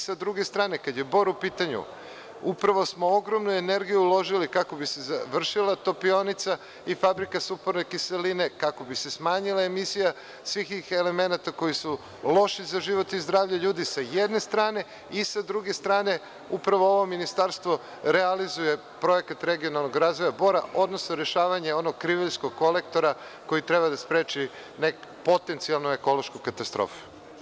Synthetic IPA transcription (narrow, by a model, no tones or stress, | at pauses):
sad̪ɾuɡe̞st̪ɾaːne̞kad̪je̞bo̞ɾupiːt̪aɲṵ | upɾaʋo̞smo̞oɡɾo̞mnue̞ne̞ɾɡijuulo̞ʒilikako̞bisezaʋr̩ʃilˠat̪o̞pionit̪sa | ifabɾikasupoɾnekiseline̞kako̞bise̞smaːɲilˠaemisija | sʋixt̪ixe̞le̞me̞nat̪ako̞jisu | lo̞ʃizaʒiʋo̞t̪izd̪ɾaːʋʎaʎuːd̪isajed̪ne̞st̪ɾaːne̞ | isad̪ɾuɡe̞st̪ɾaːne̞ | upɾaʋooʋo̞minist̪aɾst̪ʋo̞ | ɾealizuje̞ | pɾo̞je̞kat̪ɾe̞ɡio̞nalˠnoɡɾaːzʋo̞jabo̞ːɾaʔo̞d̪no̞snoɾe̞ʃaːʋaɲeo̞noɡ̚kɾiʋeʎskoɡ̚kːo̞lek̚t̪o̞ɾa | ko̞jit̪ɾeβad̪aspɾeːt͡ʃi | nek | po̞t̪e̞nt̪sialˠnue̞ko̞lˠo̞ʃkukat̪ast̪ɾo̰fu̥